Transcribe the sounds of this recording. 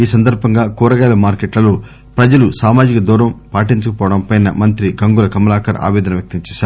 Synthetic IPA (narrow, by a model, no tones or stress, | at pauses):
iːsɐnd̪ɐɾbʱɐŋɡaːkuːɾɐɡɐːjlɐmaːɾkeʈlɐloː | pɾɐd͡ʒɐlusaːmaːd͡ʒikɐd̪uːɾɐmpaːʈiɲt͡ʃɐkɐpɔːʋɐɽɐmpɐjnɐ̰mɐnt̪ɾiɡɐŋɡulɐkɐmɐlaːkʰɐɾa̰ːʋɛːd̪ɐnɐʋjɐk̚t̪ɐmt͡ʃɛːʃaːɾ